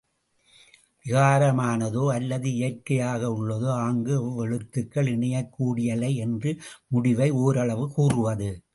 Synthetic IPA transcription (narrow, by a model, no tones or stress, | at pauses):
ʋɪɣaːɾɐmaːnɐðoːɐlːɐðɯɪjɐrkɐjaːɣɐʊɭːɐðoːaːŋɡɯʋɛɻɯt̪ːɯkːɐɭɪɳɐjɐkːuːɽɪjɐlɐɪɛndrɯmʊɽɪʋɐɪoːɾɐɭɐʋɯkuːrɯʋɐðɯ